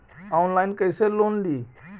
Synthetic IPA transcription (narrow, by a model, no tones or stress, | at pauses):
aʊnlaːɪnkəseloːnɗ̪iː